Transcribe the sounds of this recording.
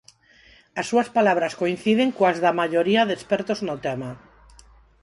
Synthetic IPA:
asːuaspalaβɾaskoin̟θiðeŋkoazðamaʎoɾiaðespeɾt̪oznot̪ema

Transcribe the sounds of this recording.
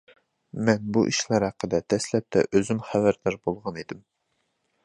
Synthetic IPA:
mɛnbuʔiʃlˠɑɾhæqʰːəd̪ɛd̪ɛslɛp̚t̪ʰɛ̰ʔøzymχævæɾd̪æɾbolˠʁɑned̪ɪm

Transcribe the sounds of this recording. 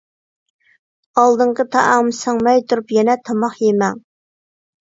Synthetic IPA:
ɑlˠd̪ɨɴqʰət̪ʰɑʔɑŋmɨsɑŋmɛjt̪ʰuɾupjɛnɛt̪ʰɑmɑχjemɛŋ

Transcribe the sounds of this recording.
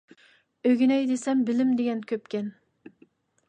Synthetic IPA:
øɡʲinɛjd̪esɛmbɪlɪmd̪eɡʲɛnkʲʰøpkʲɛn

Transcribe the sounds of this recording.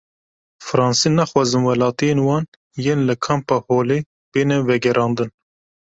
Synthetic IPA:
fɨɾɑːnsiːnæxwɑːzɨnwɛlɑːt̪ijeːnwɑːn | jeːnləkʰɑmpɑːhoːleː | b̥eːnɛvɛɡɛɾɑːnd̪ɨn

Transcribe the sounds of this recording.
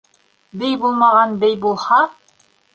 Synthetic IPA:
bɘjbulˠmɑʁɑnbɘjbulˠhɑ

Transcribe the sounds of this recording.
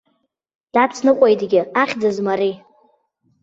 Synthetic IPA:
d̥at͡sʰnɨqʷʼojdɡʲɪaχʲd͡zazmaɾi

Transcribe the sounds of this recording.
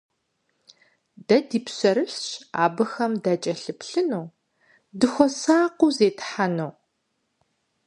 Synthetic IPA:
dɐdiːpɕɐɾɨɬɕa̰ːbɨxɐmdat͡ʃʼɐɬɨpɬɨnuː | dɨxʷɔsaːqʷuzeːtħanow

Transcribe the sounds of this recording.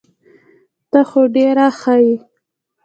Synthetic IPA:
t̪axoɖeɾaxaji

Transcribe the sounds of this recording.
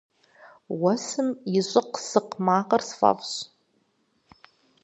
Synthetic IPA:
wasɨmiɕʷʼʊqsɨqmaːqʼərsfa̰pɕ

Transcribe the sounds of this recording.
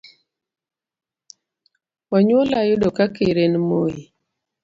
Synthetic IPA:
waɲwolajʊdokakeɾenmoi

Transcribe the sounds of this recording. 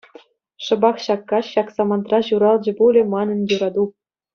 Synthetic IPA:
ʂɤ̆bɑχɕɑkːɑɕɑksɑmɑnt̪rɑʑuɾɑlˠd͡ʑɤ̆bulʲɘ̆mɑnɤ̆njuɾɑd̪u

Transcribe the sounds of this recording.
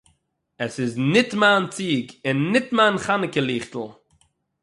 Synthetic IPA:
ɛsɪznɪtmaːnt͡siːɡɪnːɪtmaːnχanɪkəlˠiːχtl̩ˠ

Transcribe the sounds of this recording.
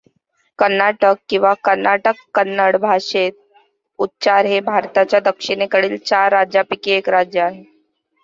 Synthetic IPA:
kəɾnaʈəkːĩw̃ʋakəɾnaʈəkːənːəɽbʱaʂet̪̚ | ut̪ːt͡ɕaɾɦebʱaɾt̪at͡ɕjad̪əkʂiɽ̃ekəɽiːlt͡ɕaɾːad͡ʑjapikiekɾad͡ʑjəaɦe

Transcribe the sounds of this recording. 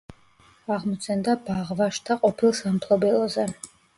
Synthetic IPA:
aʁmɔt̪sʰɛnd̪abaʁvaʃt̪ʰaqʼɔpʰilˠsampʰlˠɔbɛlˠɔzɛ

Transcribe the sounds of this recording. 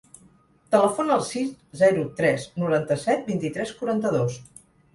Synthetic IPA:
t̪ələfonəlˠsiszɛɾut̪ɾɛznuɾant̪əsɛt̪̚bint̪it̪ɾɛskuɾant̪əðos

